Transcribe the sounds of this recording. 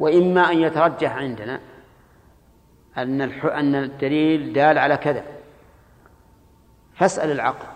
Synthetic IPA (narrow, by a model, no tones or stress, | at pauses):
wɪʔɪmːaʔanjat̪ɑɾˤɑd͡ʒːaħʕɪnd̪ana | ʔanːalħʔanːad̪ːaliːld̪aːlʕalakaða | fasʔa̰lalʕɑql